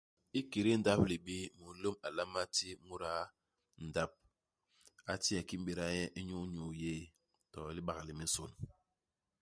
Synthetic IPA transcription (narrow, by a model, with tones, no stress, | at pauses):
i˦ki˨ɾi˦n̩˦da˦p̚li˨bi˦mu˨˦lo˦ma˨la˦ma˦ti˦mu˦ɾa˦ | n̩˨da˦p̚ | a˦ti˦a˨ki˦m̩˦bi˦˨ɾa˦jɛ˦ʔi˦ɲu˦ɲu˨jeː˦˨ | tɔ˨˦li˦ɓa˨ɣli˨mi˦so̰˨n